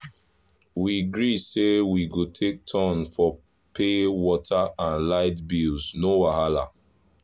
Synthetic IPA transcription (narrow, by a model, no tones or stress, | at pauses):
wiɡɹisewiɡotʰek̚tʰɔ̃nfɔ | pʰewɔtʰaãnlaɪtbilznowaɦala